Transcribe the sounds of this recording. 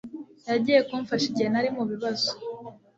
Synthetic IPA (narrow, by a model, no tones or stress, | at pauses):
jaɟije̞koɱfaʃiɟenaɾimuβiβazo̥